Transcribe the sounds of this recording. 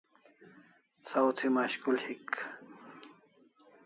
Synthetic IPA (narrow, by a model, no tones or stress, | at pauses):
sawt͡s̪ʰimaɕkulhik